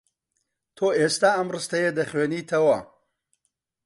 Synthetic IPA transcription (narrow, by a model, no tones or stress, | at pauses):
t̪ʰoːʔeːst̪aːɐmrɨst̪ɐjed̪ɐχweːniːt̪ʰɐwɐ